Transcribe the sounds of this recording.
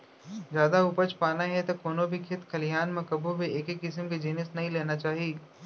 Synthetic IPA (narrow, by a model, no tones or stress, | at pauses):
zjaːd̪aʊpət͡ʃpaːnaɦɛt̪okoːnobʱikʰɪt̪kʰɐlijaːnmẽkɐbʱobʱieːkekːɪsəmked͡ʒiːnəsnɐɦĩleːnat͡ʃaːɦieː